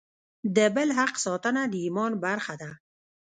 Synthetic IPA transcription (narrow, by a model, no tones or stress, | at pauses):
d̪əbəlɦaqsɑt̪ənad̪əimɔnbaɾxad̪a